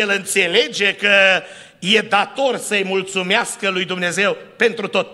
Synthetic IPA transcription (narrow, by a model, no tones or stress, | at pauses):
elɨnt̪se̞le̞d͡ʒe̞kə | je̞d̪at̪o̞rsəɨjmult̪sumeaskəlujd̪umne̞ze̞wpe̞nt̪ɾut̪o̞t̪